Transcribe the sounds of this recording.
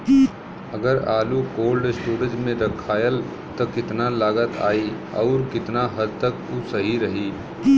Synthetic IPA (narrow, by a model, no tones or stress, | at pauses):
əɡəɾaːlukoːlɖɪsʈuːɾə̃d͡ʒmẽɾəkʰaːjəl | t̪ɔkɪt̪nalaːɡət̪a̰ːi | ɔ̰ːɾkɪt̪naɦəd̪̚t̪əkusəɦiɾɐɦiː